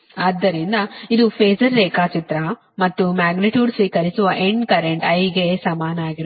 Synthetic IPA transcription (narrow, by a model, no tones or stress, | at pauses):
aːd̪ːɐɾind̪ɐid̪upʰeːd͡ʒɐɾːeːkaːt͡ʃit̪ɾɐ | mɐt̪ːumaːɡniʈjuːɖsʋiːkɐɾisuʋɐʔeɳɖkɐɾeɳʈɐjɡesɐmaːnɐaːɡiɾ